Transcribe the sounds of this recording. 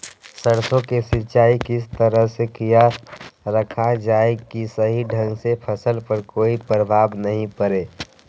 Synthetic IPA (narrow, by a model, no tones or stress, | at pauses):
səɽsõkesɪt͡ʃaːikɪst̪əɾəɦsekijaɾəkʰad͡ʒaːekisəɦiɖʱə̃ŋɡsepʰəsəlpəɾkoːipɾəbʱaːbnɐɦĩpəɾeː